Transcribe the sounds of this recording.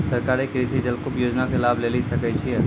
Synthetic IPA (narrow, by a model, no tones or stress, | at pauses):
səɾkaɾekɾisid͡ʒəlkobjod͡ʒnakelaːbʱlelisəkɛt͡ʃʰiɛ